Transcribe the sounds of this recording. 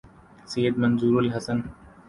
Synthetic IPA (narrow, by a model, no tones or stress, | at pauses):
siːəd̪mɐnzuːɾəlɦɐsən